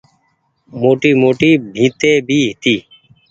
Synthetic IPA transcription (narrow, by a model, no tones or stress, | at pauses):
moːʈiːmoːʈiːbʱĩːt̪eːbʱiːɦɪt̪iː